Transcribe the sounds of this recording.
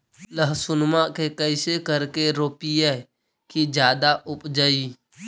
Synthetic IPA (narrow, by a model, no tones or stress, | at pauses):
ləɦsʊnmakekəɪsekəɾkeɾoːpiɛ | kid͡ʒjaːd̪aʔʊpd͡ʒəi